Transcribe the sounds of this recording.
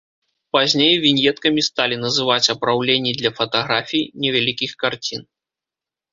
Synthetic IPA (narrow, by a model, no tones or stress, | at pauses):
pazʲnʲejvʲinʲjɛt̪kɐmʲist̪alʲinɐzɨvat͡sʲɐpɾawlʲenʲːid̪lʲɐfɐt̪aɣɾafʲijnʲɛvʲalʲikʲixkart͡sʲin